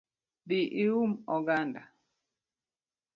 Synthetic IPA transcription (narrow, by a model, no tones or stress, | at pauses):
biʔiumɔɡanda